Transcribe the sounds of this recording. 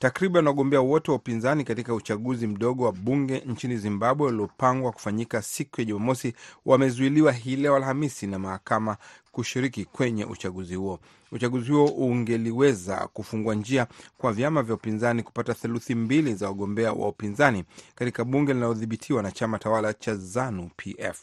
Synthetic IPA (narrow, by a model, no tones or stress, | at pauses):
takɾiɓanwaɠɔmbɛawɔtɛwaupinzanikatikaut͡ʃaɠuzim̩ɗɔɠɔwaɓuŋɡɛnt͡ʃinizimbaɓwɛwaliɔpaŋɡwaku̥faɲikasikujaʄumamɔsiwʔamɛzuiliwaɦilɛɔalhamisinamahakamakuʃiɾikikwɛɲɛ̰ʔut͡ʃaɠuzihuɔ | ut͡ʃaɠuzihuɔʔuŋɡɛliwɛza̰kufuŋɡuand͡ʒiakwavjamavjaupinzaniku̥pataθɛluθimbilizawaɠɔmbɛa̰wa̰upinzanikatikaɓuŋɡɛlinalɔðiɓitʰiwanat͡ʃamatawalat͡ʃazanupʰiʔɛ̰f